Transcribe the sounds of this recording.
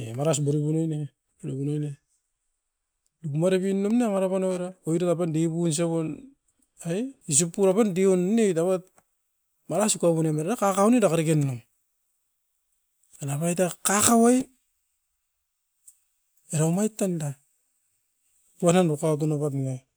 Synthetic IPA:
emaɾasbaɾibunojne | baɾibunojne | duɡumaɾeβinːumneŋaɾapanoeɾaojɾatapandeβuns̬eβon | ajis̬ipːuɾapandionnejtaβat̚ | maɾasukaβunemaɾaakakawnedakaɾikenːum | anapajtakakawaj | eɾaumajtːanda | uananɾukaɡunaβatna

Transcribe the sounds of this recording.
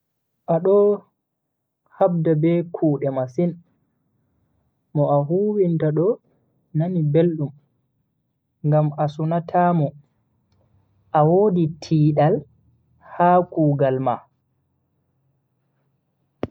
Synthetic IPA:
ʔaɗɔ | habdabɛkʰuːɗɛmasin | mɔʔaɦuːwintaɗɔ | nanibelɗum | ŋɡamasunatʰamɔ | ʔawoːditʰiːɗal | haːkuːɡalma

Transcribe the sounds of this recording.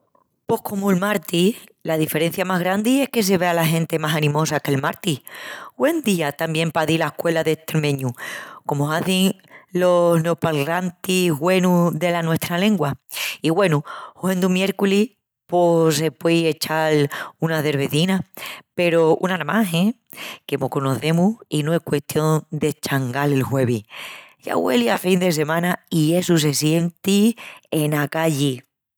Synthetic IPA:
po̞hko̞moelmaɾt̪i | laðife̞ɾe̞n̟θjamaɦɣɾand̪ie̞hke̞s̬e̞β̞e̞alaɦẽ̞nt̪e̞masanĩmo̞sake̞lmaɾt̪iɡwe̞nd̪iat̪ambje̞mpaðilaekwe̞laðe̞t̪eɾmẽɲuko̞moaθiŋ | lo̞znopalant̪izɣwe̞nuðe̞lanwe̞ht̪ɾale̞ŋɡwaiɣwe̞nuuend̪umje̞ɾkuli | pos̬e̞pweje̞t͡ʃalunaðe̞ɾβe̞θinape̞ɾo̞ṵnanamaɦe | ke̞mokono̞θe̞muinoe̞hkwe̞t̪jo̞nd̪e̞t͡ʃaŋɡale̞lxwe̞β̞iʝa̰ɣwe̞̰liafind̪e̞s̬e̞mãnaie̞sus̬e̞sje̞nt̪ienakaʝi

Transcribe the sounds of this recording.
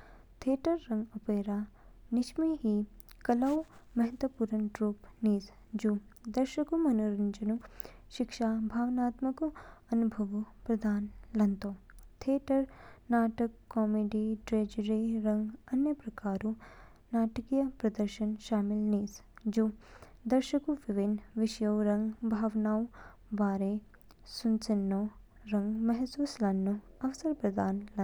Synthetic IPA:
t̪ʰeːʈɐɾːɐŋɡɐpeːɾaːnɪʃmiɦiːkɐlɐwmɐɦɐt̪wɐpuːɾɐnʈɾuːpniːs | d͡ʒu | d̪ɐɾʃɐkumɐnuɾɐɲd͡ʒɐnu | ʃɪkʃaːbʱaːʋnaːt̪mɐkuɐnubʱɐʋupɾɐd̪ʱaːnlɐnt̪oːt̪ʰeːʈɐɾnaːʈɐkːɔːmeːɖiɖɾeːd͡ʒɾiɾɐ̃ŋɡɐnjɐpɾɐkaːɾu | naːʈɐkijɐpɾɐd̪ɐɾʃɐnʃaːmɪlniːs | d͡ʒoː | d̪ɐɾʃɐkuʋiʋinʋɪʃjɐwɾɐ̃ŋɡbʱaːʋnaːw̃ | baːɾe | sunt͡ʃɐnːoː | ɾɐ̃ŋɡmɐɦsuːslɐnːoɐʋsɐɾpɾɐd̪aːnlɐ

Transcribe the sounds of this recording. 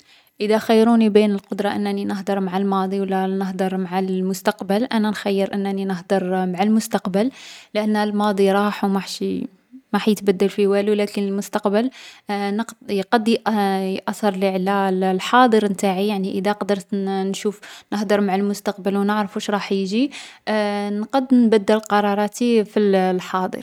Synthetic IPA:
ʔəd̪æxəjːɾunibinəlqod̪ɾˤɑʔənːæninəɦd̪ɑɾˤmaʕalmɑd̪ˤiwlːænəhd̪əɾˤmaʕalmʊst̪ɑqbəlʔænænxæjːəɾʔənːæninəhd̪əɾˤmaʕalmʊst̪ɑqbəllʔənːælmɑd̪ˤiɾˤɑħwmaħʃi | mæħjət̪bæd̪ːəlfiwælulækənəlmʊst̪ɑqbəlnəqqɑd̪jʔʔɑsˤɑɾˤliʕlællħɑd̪ˤəɾnt̪aʕijaʕniʔəd̪æqd̪əɾt̪nʃufnəhd̪ˤəɾˤmaʕalmʊst̪ɑqbəlwnəʕɾfuʃɾˤɑħjʒi | nqɑd̪nbæd̪ːəlqɑɾˤɑɾˤɑt̪ifillħɑd̪ˤə̰ɾ

